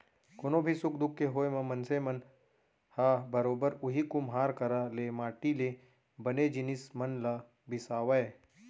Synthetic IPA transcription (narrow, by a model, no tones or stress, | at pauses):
koːnobʱisʊkd̪ʊkːeɦoːemɐ̃mɐnsemɐn | haːbɐɾoːbəɾʊɦikʊmɦaːɾkɐɾalemaːʈile | bɐned͡ʒɪnɪsmɐnla | bɪsaːʋɐe